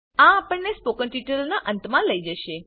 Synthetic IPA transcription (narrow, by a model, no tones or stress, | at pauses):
ãːpəɳnespokəɳʈiʈəlnaʔə̃nt̪mãləid͡ʒəʃe